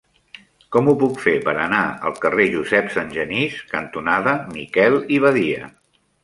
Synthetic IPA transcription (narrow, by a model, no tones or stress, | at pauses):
kɔmupukfepəɾənaə̰lˠkəreʒuzɛpsənʲʒəniskənt̪unaðəmikɛlˠiβ̞əðiə̰